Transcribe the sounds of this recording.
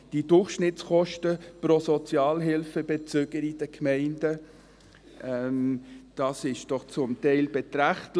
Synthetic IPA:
d̥id̥ʊrχʃnɪtt͡sχɔʃtəpɾosɔt͡sjɑːlɦɪlfəbet͡søɡəɾid̥əkʰmɛɪndə | ʔɛmd̥ɑsɪʃd̥ɔχt͡sʊmtɛɪlbɛtɾæχt

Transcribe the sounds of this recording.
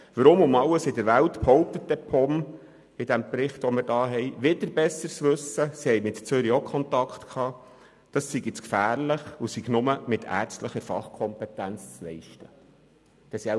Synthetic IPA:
ʋəɾʊmʊmɑwəsɪd̪əɾʋælt̪phɔʊp̚t̪ət̚dɛpʰɔm | ɪd̥̪æmprɪχt̪ʋɔmɪɾdɑːɦɛjʋɪd̥̪əɾbɛsəɾt͡sʋɵsəsihɛjmɪt̪t͡sʏɾiokʰχɔnt̪ɑkχt̪kʰɑː | d̥ɑssiɡɪt͡skfæːɾlɪχusiɡnʊməmɪt̪ʰæ̰ːɾt͡stləχəɾfɑ̰χkʰɔmpɛt̪ænt͡st͡slɛɪʃtə | d̥ɛsi

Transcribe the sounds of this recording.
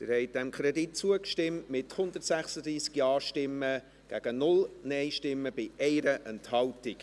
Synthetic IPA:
d̥ɪɾhɛɪt̚d̥ɛmkʰɾɛdit̚t͡suəkʃtɪmtmɪthʊnd̪ətsæχsəd̪ɾiːskjɑːʃtɪmːə | ɡ̥æɡ̥ənʊlnɛɪʃtɪmːəb̥ɪʔɛɪɾəʔɛnthɑltɪk

